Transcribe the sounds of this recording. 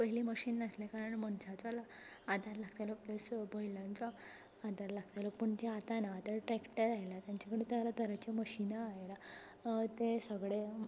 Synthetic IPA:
pəɦiliːməɕiːnːəslekaɾəɳməɳɕat͡salaː | d̪ʱaɾlaɡt̪alɔpləsbojlãnt͡saː | d̪ʱaɾlaɡt̪ajləpəɳt͡ɕaat̪anaːt̪əɾʈɾekʈəɾajlat̪jaɲt͡ɕakəɽet̪alat̪əɾət͡ɕeməɕinaːɦela | t̪esəɡɭe

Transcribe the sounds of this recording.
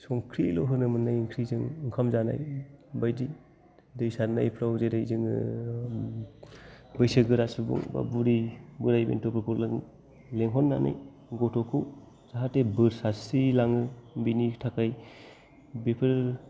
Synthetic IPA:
sɔŋkʰɾilo̰ɦɯnɯmɯnːajŋkʰɾizɯŋŋkʰamzana̰jbajdi | dɯjsana̰jpʰɾawzedajzɯŋɯ | bɯjsɯɡɯɾasɯbṵŋba̰buɾibɯɾajbḛntɔpʰɯkʰɔɾlɯŋ | leŋɦɔnːa̰na̰j | ɡɔtʰɔkʰɯw | z̥aɦatebɯɾsasilaŋɯbinitʰakaj | bepʰɯɾ

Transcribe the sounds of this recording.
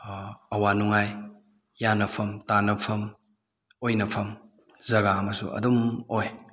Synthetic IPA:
ɐwanuŋajː | anɐpʰɐmtanɐpʰɐm | ojnɐpʰɐm | zɐɡaɐmɐsṵʔɐ̰dumoj

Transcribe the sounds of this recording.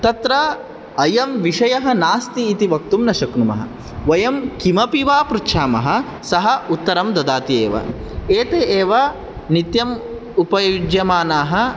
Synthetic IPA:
t̪ɐt̪ɾɐ | ɐjɐmʋiʂɐjɐɦɐ̆naːst̪iːt̪iʋɐk̚t̪umnɐʃɐknumɐ̰ɦɐ̰ | ʋɐjɐmkimɐpiʋaːpɾukʂaːmɐ̰ɦɐ̆ | sɐɦɐ̆ut̪ːɐɾɐmd̪ɐd̪aːt̪iḛːʋɐ̰ | eːt̪eːʔeːʋɐ | nit̪jɐm | upɐjud͡ʒjɐmaːnaːɦɐ̆

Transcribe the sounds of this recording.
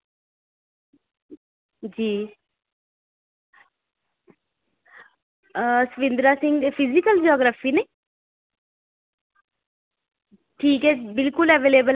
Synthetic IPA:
d͡ʒiː | səʋɪ̃nd̪ɾaːsɪ̃ŋɡ̪epʰɪzɪkəld͡ʒɔːɡɾaːfiːnẽː | ʈʰiːkɦɛːbɪlkʊlɛʋeːleːbəl

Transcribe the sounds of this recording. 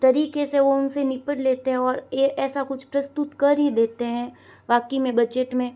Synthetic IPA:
t̪ɐɾiːkeseʋoʊnsenɪpəɽleːt̪eɦɛ̃ɔːɾjeʔɛːsakʊt͡ʃʰpɾɐst̪ʊt̪kɐɾɦid̪eːt̪eɦɛ̃ː | ʋaːkimẽbɐd͡ʒəʈmẽ

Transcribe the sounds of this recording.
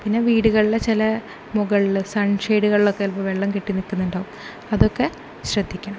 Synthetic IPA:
pinːe̞ʋiːɽuɣɐɭilet͡ɕilɐ | muɣɐɭilsɐɳʂejɽuɣɐɭilo̞kːeɐlpɐmʋe̞ɭːɐmkiʈːinikːunːuɳɖaːʋum | ɐðo̞kːe̞ | ɕrɐd̪ʱːikʲːuɳɐ

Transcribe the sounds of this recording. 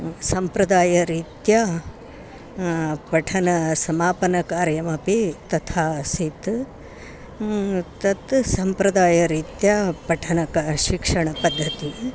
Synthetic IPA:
sɐmpɾɐd̪aːjɐɾiːt̪ja | pɐʈʰɐnɐsɐmaːpɐnɐkaːɾjɐmɐpit̪ɐt̪ʰaːsit̪ | t̪ɐt̪sɐmpɾɐd̪aːjɐɾiːt̪japɐʈʰɐnɐkɐʃikʂɐɳɐpɐd̪ʱːɐt̪i

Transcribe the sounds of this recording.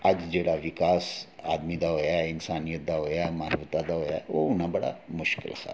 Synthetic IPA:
əd͡ʒd͡ʒeːɽaʋɪkaːsaːd̪mid̪aɦoːjaɪnsaːnijət̪̚d̪aɦoːjamaːɾʋət̪ad̪aɦoːjaɛʋo̰ʊn̤abəɽa̰mʊʃkɪ̰lsa̰

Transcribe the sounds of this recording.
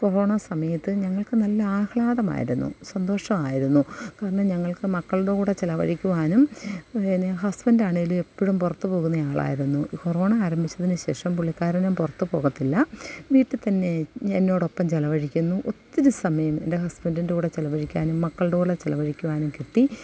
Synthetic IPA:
koro̞ːɳɐsɐmɐjɐt̪ːɨɲɐŋːɐɭkɨnɐlːɐaːhɭaːðɐma̰ːjḭɾunːṵsɐnd̪o̞ːʂɐmaːjiɾunːukaːɾɐɳɐmɲɐŋːɐɭkɨmɐkːɐɭuɽekuːɽet͡ɕelɐʋɐ̰ɻikʲːuʋaːnumeneɦɐsbɐndaːɳeilume̞pːiɻumpurɐt̪ːupo̞ːɣunːɐjaːɭa̰ːjiɾunːukoro̞ːɳɐaːɾɐmbʱit͡ɕːɐðinɨɕe̞ːʂɐmpuɭːikːaːɾɐnɐmpurɐt̪ːupo̞ːɣɐt̪ːilːɐʋiːʈːɨt̪ɐnːe̞enːo̞ːɽo̞pːɐmt͡ɕelɐʋɐɻikʲːunːuʔot̪ːiɾusɐmɐjɐme̞̰nde̞ɦɐsbɐndindeuːɽet͡ɕelɐʋɐɻikʲːaːnumːɐkːɐɭɽeuɽet͡ɕelɐʋɐɻikʲːuʋaːnumkiʈ̪ːi

